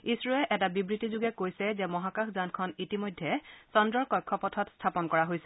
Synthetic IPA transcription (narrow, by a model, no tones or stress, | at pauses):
isɹɔɛʔɛtabibɹitizuɡɛkojsɛzɛmɔɦakaxʰzankʰɔnitimojdʱːɛsɔndɹɔɹkɔjkʰːɔpɔtʰɔtstʰapɔnkɔɹaɦojsɛ